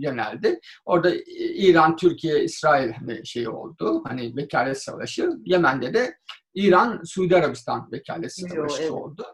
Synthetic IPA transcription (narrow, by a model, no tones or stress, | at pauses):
jø̞næ̰lʲd̪ɪ | o̞ɾd̪aiːɾant̪ʰyɾcʰijɛisɾaːilʲhanḭʃe̞jio̞̰lˠd̪ʊhanɪvecʰaːlʲɛsa̰lˠaʃɯje̞mænd̪ed̪ɛ | iːɾansuːd̪iaɾabist̪ʰanvecʰa̰ːlʲɛt̪saaʃɯo̞̰lˠd̪ʊ